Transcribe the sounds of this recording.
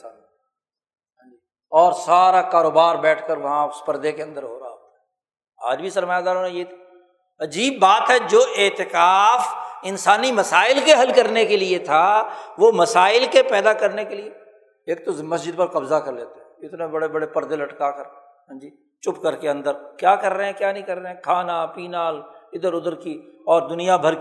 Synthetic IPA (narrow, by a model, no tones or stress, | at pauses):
ɦãd͡ʒiː | ɔːɾsaːɾakaːɾoːbaːɾbɛːʈʰkəɾʋɐɦãʊspɐɾd̪ekeɐ̃nd̪əɾɦoːɾɐɦaɦoːt̪aɦɛ | aːd͡ʒbʱisɐɾmaːjaːd̪aːɾonãjet̪ʰi | ɐd͡ʒiːb̚ːaːt̪ɦɛd͡ʒoːʔɪːt̪ɪkaːfɪnsaːnimɐsaːɪlkeɦɐlkɐɾnekeliet̪ʰaʋomɐsaːɪlkepɛːd̪akɐɾnekelie | eːk̚t̪omɐsd͡ʒɪd̪̚pɐɾkɐbzakɐɾleːt̪eɦɛ̃ɪt̪nebɐɽebɐɽepɐɾd̪ɪlɐʈkakəɾ | sɐ̃nd͡ʒiː | t͡ʃʊpkɐɾkeɐ̃nd̪əɾkjaːkɐɾːeɦɛ̃kjaːnɐɦĩkɐɾːeɦɛ̃kʰaːnapiːnaːlɪd̪əɾʊd̪əɾkiɔːɾd̪ʊnijabʱɐɾ